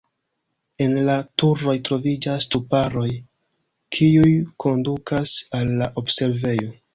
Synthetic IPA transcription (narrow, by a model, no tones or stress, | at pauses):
e̞nlatuɾo̞jtɾo̞vid͡ʒastupaɾo̞j | kʰiujkʰo̞ndukasalːaʔo̞bse̞ɾve̞jo̞